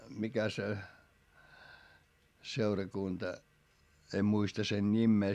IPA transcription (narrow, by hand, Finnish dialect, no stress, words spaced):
mikæ se seurɑkuntɑ em muistɑ sen nʲimːeː